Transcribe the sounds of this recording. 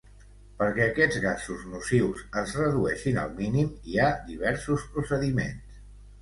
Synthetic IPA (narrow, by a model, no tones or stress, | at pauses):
pəɾkɛəkɛd͡zɣasuznusiwsəzrəðuɛʃinə̰lˠminimiaðiβ̞ɛɾsuspɾusəðimḛns